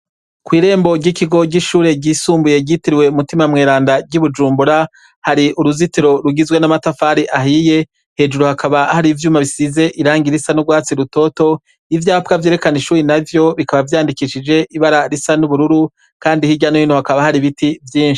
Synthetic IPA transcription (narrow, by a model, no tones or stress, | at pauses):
kwiːɾe̞ːmbo̞ɟikiɡo̞ɟiʃuːɾe̞ɟiːsuːmbuje̞ɟitiɾiwe̞umutimamŋeːɾaːndaɡɟuβud͡ʒuːmbuɾa | haɾiuɾuzitiɾo̞ɾuɡizwe̞namatafaːɾiʔaɦije̞ | he̞ːd͡ʒuɾuhakʰaβahaɾivjuːmaβisize̞ʔiɾaːŋɡiɾisanubɡwaːt͡siɾuto̞to̞ | ivjaːpkavje̞ːɾe̞kaniʃuːɾinavjo̞βikaβavjaːndikiʃid͡ʒe̞ʔiβaɾaɾisanuβuɾuɾu | kaːndihiɟanojinohakaβahaɾiβitivjiːnʃi̥